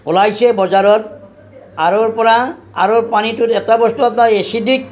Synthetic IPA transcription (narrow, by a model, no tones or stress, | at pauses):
ʊlajsebɔzaɾɔt̚ | aɹoɹpɔɹa | a̰ɾopanitutɛtabɔstuap̬naɹesidik̚